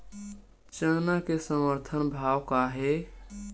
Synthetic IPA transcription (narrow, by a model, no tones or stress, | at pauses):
t͡ʃənakesəməɾt̪ʰənbʱawkaɦe